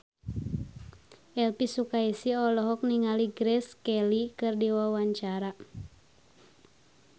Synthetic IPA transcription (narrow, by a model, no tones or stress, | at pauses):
ʔɛlpisukaisiɔlɔɦɔk̚niŋaliɡɾɛskɛlikɨrdiwawaɲt͡ʃaɾa